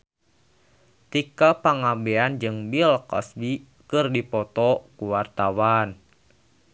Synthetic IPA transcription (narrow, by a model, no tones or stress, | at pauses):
t̪ikapaŋabɛand͡ʒɨŋbilkɔ̰sbi | kɨrdipɔt̪ɔkuwart̪awan